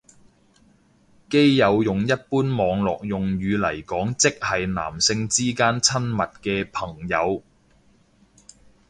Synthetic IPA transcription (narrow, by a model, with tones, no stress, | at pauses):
ke˥jjɐ˨˧wjʊ˨ŋjɐ˥t̚puː˥nmɔː˨˧ŋlɔː˨k̚jʊ˨ŋjyː˨˧lɐ̰˨˩jkɔː˨˥ŋt͡sɪ˥k̚hɐ˨jna̰ː˨˩msɪ˧ŋt͡siː˥kaː˥nt͡sʰɐ˥nmɐ˨t̚kɛː˧pʰɐ˨˩ŋjɐ˨˧w